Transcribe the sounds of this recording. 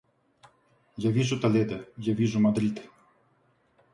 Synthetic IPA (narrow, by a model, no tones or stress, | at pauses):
javʲiʐut̪alʲɛd̪ajavʲiʐumad̪ɾit̪